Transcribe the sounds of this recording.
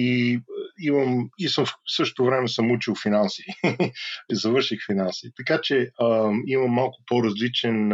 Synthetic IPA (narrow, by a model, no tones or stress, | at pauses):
i | imɐmisɤmsɤʃt̪o̥t̪ʊvɾɛmɛsəmut͡ʃilˠfinansiː | izɐvɤɾʃixfinansiːt̪ɐkat͡ʃɛ | imɐmːalˠkʊ̥poɾɐzlit͡ʃɛn